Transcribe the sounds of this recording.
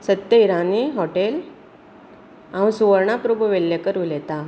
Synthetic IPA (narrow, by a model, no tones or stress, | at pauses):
sət̪jəiɾaniɦɔʈel | ãwũsuʋəɾɳapɾubʱəʋelːjekəɾulɛt̪a